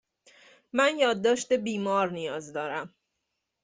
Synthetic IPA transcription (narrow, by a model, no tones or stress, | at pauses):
mænjɒːd̪ːɒːʃt̪ebiːmɒːɾnijɒːzd̪ɒːɾæm